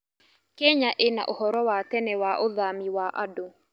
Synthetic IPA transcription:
kɛɲaʔena̰ʔohɔɾɔwatɛnɛwaʔoðamiwaʔado

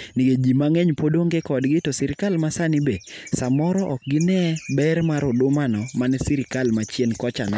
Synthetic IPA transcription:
nɪɡed͡ʒimaŋɛɲpodoŋɡekɔdɡɪtɔsɪɾɪkalmasanɪbesamɔɾɔʔɔk̚ɡɪnɛbɛɾmaɾʊdʊmanɔmanɛsiɾɪkalmat͡ʃjenkɔt͡ʃanɛ

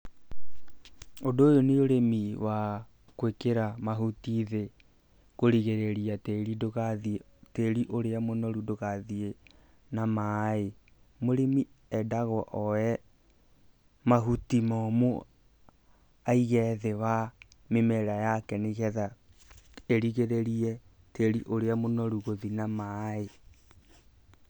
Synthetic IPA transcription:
odoːjoneoɾemiwa | kwekeɾamaɦutiðe | koɾiɣeɾeɾiatɛɾidoɣaðiteɾiʔoɾeamonɔɾudoɣaðie | namae | moɾemi | ɛdaɣɔʔɔɛ | maɦutimɔmo | aiɣɛðewa | memɛɾajakɛneɣɛða | eɾiɣeɾeɾiɛ | teɾiʔoɾeamonɔɾuɣoðinamae

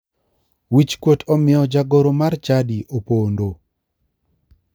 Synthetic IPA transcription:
wit͡ʃkwotʰɔmɪɔd͡ʒaɡoɾomart͡ʃadiʔopondo

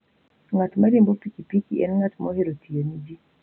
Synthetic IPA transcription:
ŋatmaɾembopikipikiʔɛ̰nŋatmɔheɾotijonid͡ʒi

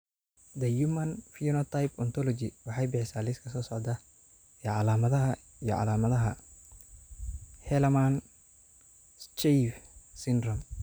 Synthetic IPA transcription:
d̪ɐjumɐnfiɔnɔt̪ʰajpɔnt̪ʰɔlɔt͡ʃɪwɑħɑjbɪħɪsaːlɪskʰɐsɔːsɔʕd̪ɐ | ɛːʕɑlaːmɐðɐɦɐ | ijɔ̰ʕɑ̰laːmɐðɐɦɐ | hɛlɐman | t͡ʃɛfsɪndrɔm

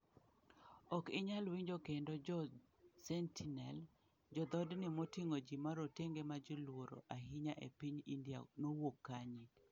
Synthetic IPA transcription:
ɔkɪɲalwiɲd͡ʒokendɔd͡ʒɔ | sɛntʰinɛl | d͡ʒɔd̪ɔdnɪmotiŋod͡ʒimaɾoteŋɡemad͡ʒilwoɾo̰ʔaɦɪɲaʔḛpiɲindija̰nowokːaɲit

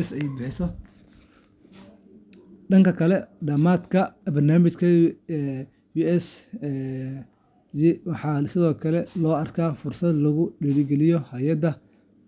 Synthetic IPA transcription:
sɛjbɪħɪsɔ | ɖɐŋkʰɐkʰɐlɛɖɐmaːd̪kʰɐbɐrnaːmɪt͡ʃkʰɐ | juɛs | jwɑħɑːsɪðɔːkʰɐlɛlɔːɐrkʰaːfʊrsɐd̪lɐɣʊɖɛlɪɡɛlɪjɔhɐjɐd̪ɐ

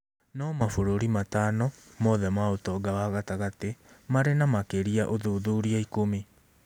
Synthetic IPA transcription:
nɔmafoɾoɾimataːnɔ | mɔðɛmaotɔɡawaɣataɣatemaɾenamakeɾiaʔoðoðoɾiaikomi

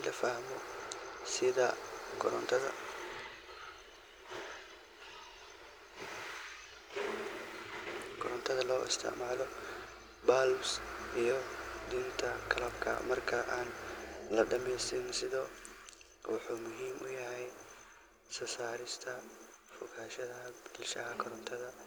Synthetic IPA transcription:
lɐfahmɔsɪðɐ | t̪ʰɐ̰ | ɡɔɾɔnt̪ʰɐðɐlɔːʔɪ̰st̪ʰɪ̰ʕmaːlɔ | baːlʊsijɞd̪int̪ʰɐɡʰɐlɐb̚kʰɐ̰mɐrkʰɐʔaːnlɐɖɐmɛjst̪ʰɛnsɪðɔː | wɑħuːmʊɦiːmʔʊ̰jɐɦɛj | sɐsaːɾɪst̪ʰɐfʊɣʰaːʃɐðɐɦɐbɪlʃɐɦɐkʰɔɾɔnt̪ʰɐðɐ

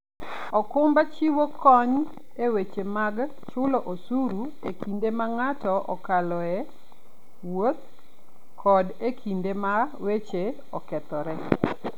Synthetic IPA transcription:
ɔkʊmbat͡ʃiwokɔɲ | ewet͡ʃemaɡ | t͡ʃʊloʔosuɾu | ekʰindemaŋatɔʔɔ̰kalɔɛ | wot̪ | kʰɔdekʰindema | wet͡ʃe | ɔkɛt̪ɔɾɛ

